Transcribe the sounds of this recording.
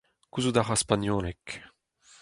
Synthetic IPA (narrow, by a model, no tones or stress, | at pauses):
kuzud̪aʁaspanjolek